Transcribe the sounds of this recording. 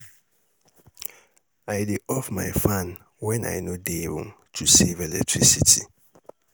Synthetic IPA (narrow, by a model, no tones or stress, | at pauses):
ajdeʔɔfma̰jfãn | wɛ̃na̰jnodeɹṵ̃m | tʰusevelɛ̰k̚tʰɹisitʰi